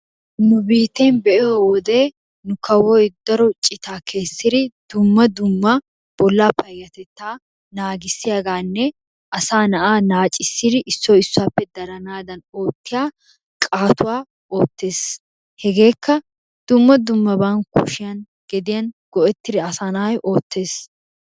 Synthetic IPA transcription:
nʊbiːt̪e̞ːnbɛʔɛowɔd̪e̞ː | nʊkɐwɔjɪd̪ɐɾɔt͡ʃʼɪt̪aːkʰe̞ːsːɪɾɪd̪̥ʊmːɐd̪ʊmːɐ | b̥ɔlːaːpɐjːɐt̪ɛt̪ːaː | naːɡɪsːɪjɐɡaːnːɛ | ʔɐsaːnɐʔaːnaːt͡ʃʼɪsːɪɾɪʔɪsːoːɪsːʊaːpːɛd̪ɐɾɐnaːd̪ɐno̞ːt̪ːɪjaː | kʼaːt̪ʊwaː | o̞ːt̪ːe̞ːs | hɛɡe̞ːkːɐ | d̪̥ʊmːɐd̪ʊmːɐbankːʊ̰ʃɪjɐn | ɡ̥ɛd̪ɪjɐnɡ̥ɔʔɛt̪ːɪɾɪɐsaːnɐʔɐjʔo̞ːt̪ːe̞ːs

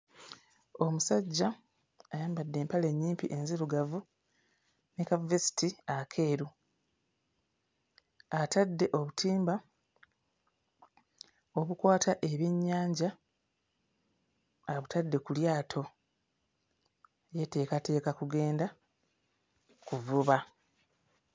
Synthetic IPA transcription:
o̞musaɟːaː | jaːmbadːe̞ːmpale̞ɲːiːmpiʔe̞nziɾuɡavu | nekavvesi̥tiakʰe̞ːɾu | atadːe̞ʔo̞βutʰiːmba | o̞βukwaːtʰaʔeβjeɲːaːɲɟa | aβutʰadːe̞kuljaːtʰo̞ | jete̞ːkate̞ːkakuɡe̞ːnda | kuvuβa

